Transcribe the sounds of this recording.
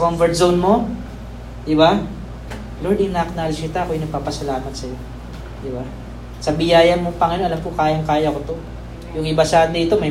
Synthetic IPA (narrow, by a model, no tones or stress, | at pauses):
ɐkombɛɹt̪̚zownmo̞ | d̪ɪba | loɹd̪ɪŋnaʔɐknaːlɪd͡ʒkɪt̪aɐkojnɐɡ̚paːpɐsɐlaːmɐt̪̚sɐjo̞ | d̪ɪba | sɐbɪjaːjɐmopɐŋɪnoʔɐlɐmkokaːjɐŋkaːjɐkot̪o̞ | jʊŋʔɪbɐsaːd̪iːt̪o̞mɐj